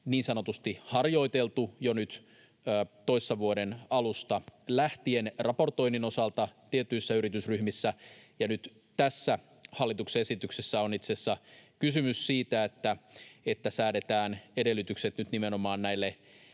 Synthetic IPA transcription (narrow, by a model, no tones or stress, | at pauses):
niːnsɑnot̪ust̪ihɑrjo̞it̪elt̪ujonyt̪ː | t̪oisːɑʋuodenɑlust̪ɑlæht̪ienrɑpo̞rt̪o̞inino̞sɑlt̪ɑt̪iet̪ːˑyisːæyɾit̪ysryhmisːæjɑnyt̪ | t̪æsːæ | hɑlːit̪ukseesit̪yksesːæonit̪sesːɑkysymyssiːt̪æet̪ːæet̪ːæsæːdet̪æːnede̞lːyt̪ykset̪nyt̪nimenomɑːnnæilːe